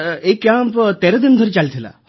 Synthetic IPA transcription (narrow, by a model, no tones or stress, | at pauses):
eikːjampt̪eɾɐd̪ind̪ʱɔɾit͡ʃalit̪ʰila̰